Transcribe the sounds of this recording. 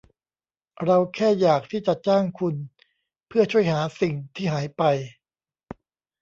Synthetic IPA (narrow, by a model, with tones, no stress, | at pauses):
ɾa˧wkʰɛː˥˩jaː˨˩k̚t̪ʰiː˥˩t͡ɕa˨˩t͡ɕaː˥˩ŋkʰu˧n | pʰɯ˥˩ɐt͡ɕʰu˥˩əjɦaː˩˦si˨˩ŋt̪ʰiː˥˩ɦaː˩˦jpa˧j